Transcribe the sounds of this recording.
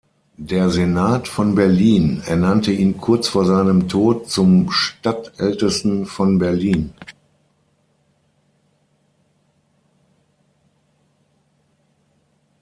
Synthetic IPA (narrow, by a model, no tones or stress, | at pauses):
deːɐzenaːtfɔnbɛɐliːnɛ̰ɐnantəiːnkʰʊɐt͡sfoːɐzaɪnəmtʰoːt̚t͡sʊmʃtatʔɛltəstn̩fɔnbɛɐliːn